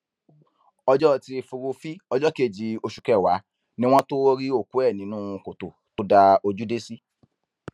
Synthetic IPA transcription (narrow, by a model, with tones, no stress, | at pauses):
ɔ˧d͡ʒɔ˦˨ti˧fu˧ɾu˧fi˦ɔ˧˦d͡ʒɔ˦ke˦˨d͡ʒi˧o˧ʃu̥˨kɛ˨wa˨˦ | nĩ˦w̃ɔ̃˦to˦ɾi˦o˦˨ku˨˦ɛ˦˨nĩ˨˦nũ˦˧˨ko˨to˨ | to˦da˧o˧d͡ʒu˦de˦si˦